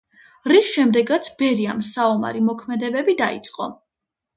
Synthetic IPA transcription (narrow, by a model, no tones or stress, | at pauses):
ɾisʃɛmd̪ɛɡat̪sʰbɛɾia̰msaɔma̰ɾimɔkʰmɛd̪ɛbɛbid̪aḭt̪sʼqʼɔ